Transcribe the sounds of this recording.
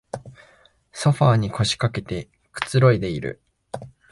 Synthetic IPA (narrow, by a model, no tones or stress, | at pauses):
so̞ɸaːɲ̟ikʰo̞ɕi̥kake̞t̪e̞ | kɯ̟̥t͡sɨɾo̞id̪e̞iɾɯ̟̰